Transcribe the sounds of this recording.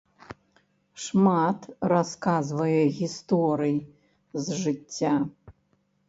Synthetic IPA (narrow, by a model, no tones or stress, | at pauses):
ʂmat̪raskazvɐjɛɣʲist̪ɔɾɨj | zʐɨtʲːa